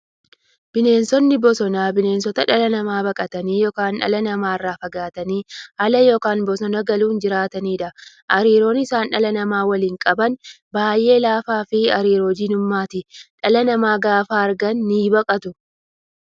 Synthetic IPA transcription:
b̥ɪne̞ːnsɔnːɪbɔsɔnaːbɪne̞ːnsɔt̪ɐᶑɐlɐnɐmaːbɐkʼɐt̪ɐniːjɔkaːnᶑɐ̰lɐnɐmaːɪrːaːfɐɡaːt̪ɐniːhɐlɐjɔkaːnbɔsɔnɐɡɐluːnd͡ʒɪɾaːt̪ɐniːᶑɐ | ʔɐɾiːɾo̞ːnɪsaːnᶑɐlɐnɐmaːwɐliːŋkʼɐbɐn | baːjʔe̞ːlaːfaːfɪɐɾiːɾoːd͡ʒɪnʊmːaːt̪ɪᶑɐlɐnɐmaːɡaːfaːɐɾɡɐnːiːbɐkʼɐt̪ʊ

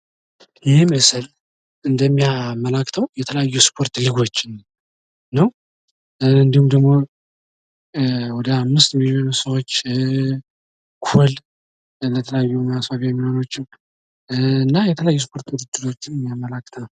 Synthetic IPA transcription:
jɪhməsəl | ɨnd̪əmːijaməlakːt̪ʰəwjɛt̪ʰələjajːuspʰo̞ɾt̪liɡo̞t͡ʃːɪn | nəw | ɨnd̪ihumd̪əɡmo̞ | wɔd̪əamːɨst̪mionusəwot͡ʃː | kʰul | lət̪ʰələjajːumasfaβiɛmːihono̞t͡ʃːɪn | ɨnːajɛt̪ʰələjajːuspʰo̞ɾt̪ɨɾɨd͡ʒ̪ːɨt̪ʰo̞t͡ʃːɪnmijamːəlakːt̪ʰənə

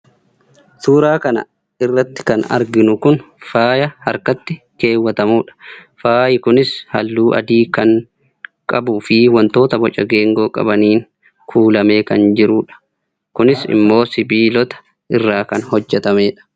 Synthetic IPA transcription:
suːɾaːkɐnɐ̰ | ɪrːɐt̪ːɪ̥kɐnɐ̰ɾɡɪnʊkʊnfaːjɐhɐɾkɐt̪ːɪ | ke̞ːwːɐt̪ɐmuːᶑɐ̥faːjɪkʊnɪshɐlːuːʔɐ̰d̪iːkɐŋ | kʼɐbufɪwɐnt̪o̞ːt̪ɐbɔt͡ʃʼɐɡe̞ːŋɡo̞ːkʼɐ̰bɐniːŋ | kʰuːlɐme̞ːkɐnd͡ʒɪɾuːᶑɐ̥ | kʊnɪsɪ̰mːo̞ːsɪbiːlɔt̪ɐ̥ | ʔɪrːaːkɐnhɔd͡ʒːɛt̪ɐme̞ːᶑɐ̥

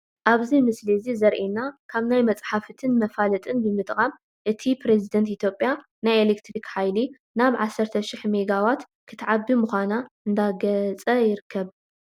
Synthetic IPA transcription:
ʔaβzimɨslizizɐɾʔinakʰaβnajmɐt͡sʼħafɨt̪ʰɨnmɐfalɐt̪ʼɨnbɨmɨt̪ʼkʼam | ʔɨt̪ʰipɾe̞zid̪ɐnt̪it̪ʰjo̞pʼːja | najelekt̪ɾikħajli | naβʕasːɐɾt̪ʰɐʃiħmeɡawat̪ | kʰɨ̥t̪ʰʕabːimuxʷanaɨnd̪aɡɐt͡sʼɐjɪɾɨkʰːɐβ

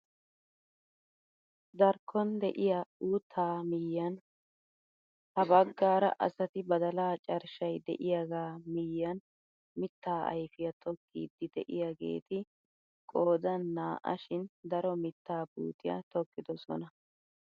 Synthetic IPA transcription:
d̪ɐɾkʰːɔnd̪ɛʔɪjɐuːt̪ʰːaːmɪjːɐn | hɐbɐɡːaːɾɐ̰ʔɐ̰sɐt̪ɪbɐd̪ɐlaːt͡ʃʼɐɾʃɐjd̪ɛ̰ʔɪjaɡaːmɪjːɐn | mɪt̪ːaːɐ̰jfɪjɐt̪ʰɔkːḭːd̪ːɪd̪ɛʔɪjaɡḛːt̪ɪ | kʼo̞ːd̪ɐnːaːʔɐ̰ʃɪnd̪ɐɾɔmɪt̪ːaːbṵːt̪ɪjɐ̰t̪ɔkːɪd̪ɔsɔ̰nɐ

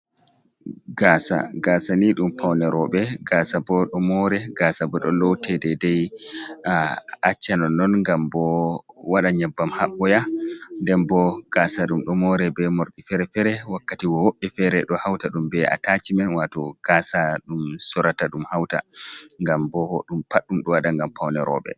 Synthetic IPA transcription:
ɡaːsa̰ɡaːsaniɗumpawnɛɾɔɓɛɡaːsabɔɗɔmɔɾɛɡasabɔɗɔlɔwtʰɛdɛdɛjaat͡ʃːanɔnːɔnŋɡambɔwaɗaɲɛbːamhaɓːɔjandɛmbɔɡ̥asaɗumɗɔmɔɾɛbɛmoɾɗifɛɾɛfɛɾɛwakːatiwɔwoɓːɛfɛɾɛɗɔhawtaɗumbɛa̰tat͡ʃimɛnwatɔɡ̥aːsaɗumsɔɾataɗumhawta̰ŋɡambɔɗumpaɗːumɗɔwaɗaŋɡampawnɛɾɔ̰ɓɛ̰

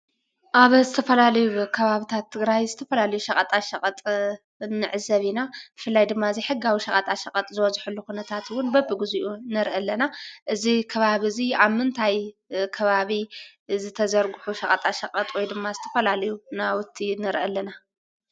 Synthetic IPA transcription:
ʔaβzɨt̪ʰɐfɐlalɐjukʰɐβaβit̪ʰat̪ʰːɨɡɾajzɨt̪ʰɐfɐlalɐjuʃɐkʼɐt̪ʼaʃɐqʼɐt̪ʼ | nːɨʕɨzɐβinab̥ɨfɨlːajd̪ɨmːaɨziħɨɡawiʃɐqʼɐt̪ʼaʃɐqʼɐt̪ʼzɨwɔzħulːukunɐt̪ʰat̪wʊnbɐbɨɡɨzuʔunɐɾʔɐlɐnaʔɨzikʰɐβaβɨziaβmɨnt̪ʰajkʰɐβaβi | zɨt̪ʰɐzɐɾɡʊħuʃɐkʼɐt̪ʼaʃɐqʼɐt̪ʼwɔjd̪ɨmːazɨt̪ʰɐ̥fɐlalɐjunawʊt̪ʰːinɐɾʔɐlːɐna

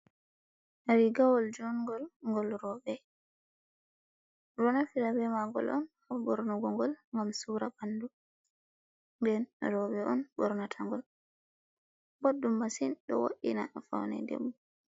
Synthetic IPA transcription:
naɾiɡawɔld͡ʒɔnɡɔlŋɡɔlɾɔbɛ | ɾɔnafilabɛmaɡɔ̰lʔɔn | abɔɾnuɡɔŋɡɔlŋɡamsuːɾabandu | mbɛnɾɔbɛʔɔnbɔɾnatʰaŋɡɔl | bodːumːasinɗɔ̰wo̰ʔḭnafa̰wnɛ̰dḛbːu

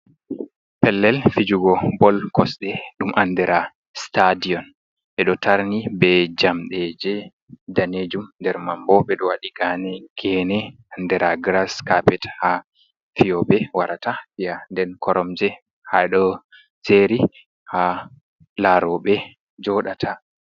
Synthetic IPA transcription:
pɛlːɛlfid͡ʒuɡɔbɔlkɔsɗɛɗumʔandɛɾa | stadiɔn | ɓɛɗɔtʰaɾnibɛd͡ʒamɗɛd͡ʒɛ | daned͡ʒumndɛɾmambɔɓɛɗɔwaɗiɡanɛɡ̥ɛnɛ | andɛɾaɡɾaskapɛtha | fijɔbɛwaɾatafijandɛnkɔɾɔmd͡ʒɛ | haɗɔ | seɾi | ha | laɾɔɓɛ | d͡ʒɔɗatʰa

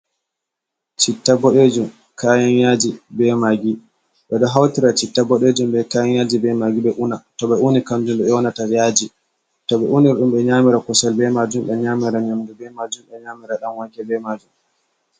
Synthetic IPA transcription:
t͡ʃitːabɔɗed͡ʒum | kʰaːjanjad͡ʒibɛmaɡi | ɓɛɗɔɦawtiɾat͡ʃitːabɔɗed͡ʒumɓɛkaːjanjaːd͡ʒibɛmaɡiɓɛʔunatɔɓɛunikand͡ʒumɗɛɛwɔnatajaːd͡ʒi | tɔɓɛʔuniɾɗumɓɛɲamiɾakɔsalbɛmad͡ʒumɓɛɲaːmiɾaɲamdubɛmad͡ʒumɓɛɲaːmiɾaɗamwakɛbɛmad͡ʒum

